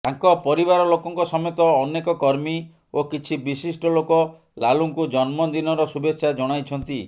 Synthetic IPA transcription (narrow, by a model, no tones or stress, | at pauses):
aŋkɔpɔɾibaɾɔlokɔŋkɔsɔmjɔt̪ɔːnekɔkɔɾmi | okit͡ʃʰibisisʈɔlokɔ | laluŋkud͡ʒɔnmɔnd̪inɔɾɔsubetːʃʰad͡ʒɔɽ̃ajt͡ʃʰɔnt̪i